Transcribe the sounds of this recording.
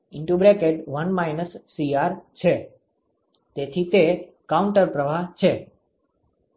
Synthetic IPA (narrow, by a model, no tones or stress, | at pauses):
ɪɳʈubɾekeʈʋənmajnəsːiaɾt͡ʃʰe | t̪et̪ʰit̪e | kauɳʈəɾpɾəʋat͡ʃʰe